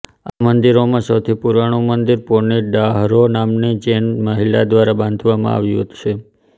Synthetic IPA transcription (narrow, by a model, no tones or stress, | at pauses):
amənd̪iɾomãsəwt̪ʰipuɾaɽ̃ũmənd̪iɾpoɾniɖaɦɾonamnid͡ʒenməɦila̰d̪ʋaɾabãnd̪ʱʋamã̰a̰ʋjũɦət̪ʃʰe